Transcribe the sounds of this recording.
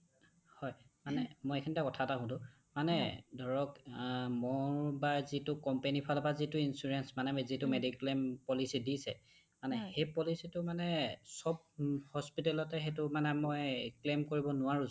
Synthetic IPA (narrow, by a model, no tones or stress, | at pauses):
hɔjmanɛmojekʰinitakɔtʰataɦʊ̃dʊ̃ | manɛdʱɔɹɔkmɔɹbazitʊkɔmpenipʰalpazitʊinsuɹɛnsmanɛzitʊmediklempɔlisidisɛ̰ | manɛxejpɔlisitʊmanɛsɔb̚ | hɔspitɛlɔtɛxetʊmanɛmojklemkoɹibɔnʊwaɹũ